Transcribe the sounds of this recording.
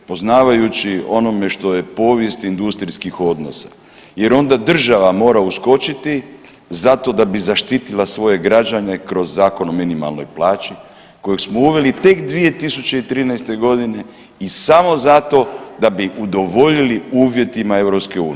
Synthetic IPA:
po̞znaːʋajut͡ɕio̞no̞me̞ʃt̪o̞je̞po̞ːʋje̞st̪ind̪ust̪ɾiskixo̞d̪no̞̰sḁ | je̞ɾo̞nd̪ad̪r̩ʒaʋamo̞ːɾausko̞t͡ʃit̪i | zat̪o̞d̪abizaʃt̪it̪ilasʋo̞je̞ɡɾad͡ʒane̞kɾo̞zːaːko̞nominima̰lˠno̞̰jplaːt͡ʃi | ko̞jeɡsmo̞uʋe̞lit̪e̞kd̪ʋije̞t̪isut͡ɕe̞it̪ɾiːnajst̪e̞ɡo̞d̪ine̞ | isamo̞zat̪o̞d̪abiʔud̪o̞ʋo̞ʎiliuːʋje̞t̪imae̞ʋɾopske̞uːn

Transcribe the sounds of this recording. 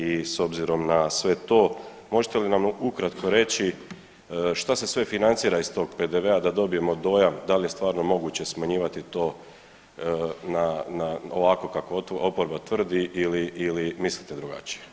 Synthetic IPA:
iso̞bziɾo̞mnasʋe̞t̪o̞ː | mo̞ʒet̪elinamukɾat̪kʰo̞ɾe̞t͡ɕi | ʃt̪ase̞sʋe̞finant̪siːɾaist̪o̞ɡpe̞d̪eʋe̞ad̪ad̪o̞bije̞mo̞d̪o̞jamd̪alije̞st̪ʋaːɾno̞mo̞ɡuːt͡ɕe̞smaɲiːʋat̪it̪o̞ː | nanaoʋako̞kako̞opo̞ɾbat̪ʋr̩d̪iʔiliːlimislit̪ed̪ɾuɡa̰t͡ɕi̥je̥

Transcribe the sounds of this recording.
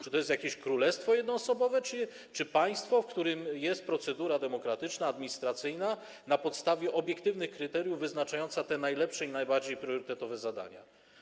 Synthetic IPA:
t͡ʂɨ̥t̪ɔjɛst̪jakʲeɕkɾulɛst̪fɔjɛd̪nɔːsɔbɔvɛt͡ʂɘ | t͡ʂɘpaj̃st̪fɔfkt̪uɾɘmjɛst̪̚pɾɔt̪sɛd̪uɾad̪ɛmɔkɾat̪ɘt͡ʂnaːd̪mʲiɲist̪ɾat̪sɘjna | napɔt̪st̪avʲjɛʔɔbʲjɛkt̪ɘvnɘxkɾɘt̪ɛɾjuvːɘznat͡ʂajɔnt̪sat̪ɛnajlɛpʂɛinajbaɾd͡ʑejpɾʲjɔɾɘt̪ɛt̪ɔvɛzad̪a̰ɲa̰

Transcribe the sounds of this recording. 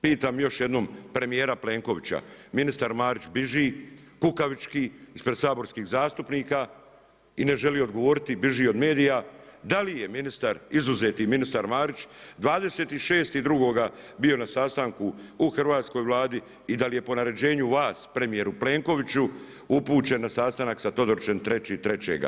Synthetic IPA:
piːt̪aːmjo̞ʃjed̪no̞ːmpɾe̞mijeːɾaple̞ːŋko̞ʋit͡ɕa̰minist̪aɾmaːɾit͡ʃbiʒiː | kukaʋit͡ʃkiːispɾed̪saːbo̞ɾskiːɣzaːst̪upniːka | ine̞ʒe̞liood̪ɡo̞ʋo̞ɾit̪ibiʒio̞d̪me̞ːd̪ijad̪alije̞minist̪aɾizuze̞ːt̪iminist̪aɾmaːɾit͡ʃd̪ʋaːd̪e̞se̞ːt̪iʃe̞ːst̪id̪ɾuɡo̞ːɡa | bio̞nasaːst̪aŋkuuxr̩ʋaːt̪sko̞jʋlˠaːd̪i | id̪alije̞po̞naɾe̞d͡ʑe̞ːɲuʋaːspɾe̞mije̞ɾuple̞ːŋko̞ʋit͡ɕu | upuːt͡ɕe̞nːasaːst̪anaksat̪o̞d̪oɾt͡ʃe̞nt̪ɾe̞t͡ɕiːt̪ɾe̞t͡ɕḛɡa̰

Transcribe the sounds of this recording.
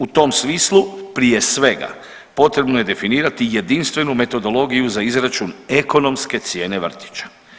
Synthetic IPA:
ut̪o̞msmiːslˠupɾije̞sʋe̞ɡa̰ | po̞t̪ɾe̞bnoje̞d̪e̞finiːɾat̪ije̞d̪inst̪ʋe̞nume̞t̪o̞d̪o̞lˠo̞ːɡijuzaizɾat͡ʃuneko̞no̞mske̞t̪sje̞ːne̞ʋr̩t̪i̥t͡ɕḁ

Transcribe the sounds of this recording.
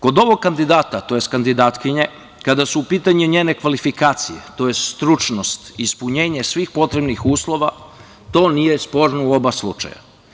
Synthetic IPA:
ko̞d̪o̞ʋo̞ɡ̚kand̪id̪aːt̪at̪o̞jest̪kand̪id̪aːt̪kiɲe | kad̪asuːpiːt̪aɲuɲeːne̞kʋalifikaːt̪sijḛt̪o̞jest̪st̪ɾut͡ʃno̞st̪ispuɲe̞ːɲe̞sʋiːxpo̞t̪ɾe̞bnixuːslˠo̞ʋa | t̪o̞ːnijespo̞ɾnouo̞baslˠṵt͡ʃa̰ja̰

